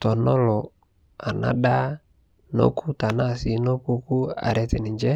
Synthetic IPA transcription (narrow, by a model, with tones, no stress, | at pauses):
tɔ˨nɔ˦lɔ˨ | a˨na̰˦ɗa˦ | no̰˦ku˦ta˨na˦˨sɪ˦no˦pu˦ku˦a̰˨ɾɛ˦tɛ˨nɪ˨ɲd͡ʒɛ˦